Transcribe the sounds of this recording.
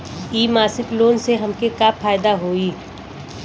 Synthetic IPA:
iːmaːsɪkloːnseɦɐmkekapʰaːjd̪aɦoːiː

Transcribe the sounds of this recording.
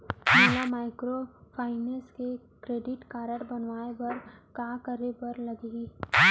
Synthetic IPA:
melamaːɪkɾopʰaːɪneske | kɾeːɖɪʈkaːɾəʈbɐnʋaːebɐɾkaːkəɾebɐɾlɐɡeɡiː

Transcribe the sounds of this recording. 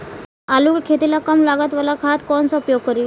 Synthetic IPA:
aluːkkʰːet̪ilakəmlaɡat̪ʋəlakʰat̪kɔnsɔupjoɡ̚kəɾi

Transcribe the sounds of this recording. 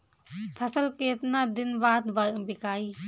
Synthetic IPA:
pʰasɐlket̚nad̪inbat̪̚baɾbikaj

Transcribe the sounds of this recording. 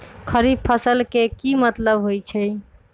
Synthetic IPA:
kʰəɾib̚pʰəsəlkekimət̪ləbɦojt͡ʃʰɛ

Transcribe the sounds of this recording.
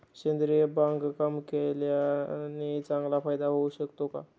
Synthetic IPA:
ɕend̪ɾijebãŋɡkəmkeljanit͡sãŋɡlapʰajd̪aɦoɕəkt̪oka

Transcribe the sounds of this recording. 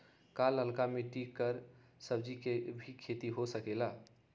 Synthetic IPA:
kaləlkameʈikːəɾ | səbd͡ʒikebʱikʰet̪iɦosəkela

